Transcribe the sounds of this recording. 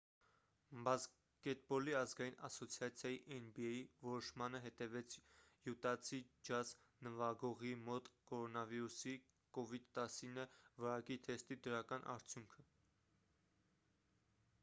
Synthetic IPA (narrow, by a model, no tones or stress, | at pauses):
bɑs | kɛt̪̚bɔliɑzɡɑjinɑ̰sɔt͡sʰjɑt͡sʰjɑjiʔɛnbiɛjivɔɾɔʃmɑnəɦɛt̪ɛvɛt͡sʰ | jut̪ɑt͡sʰid͡ʒɑz | nəvɑɡɔʁimɔt̪kɔɾɔnɑviɾusi | kɔvid̪t̪ɑsinəvɑɾɑkit̪ʰɛst̪id̪əɾɑkɑnʔɑ̰ɾt͡sʰjuŋkʰə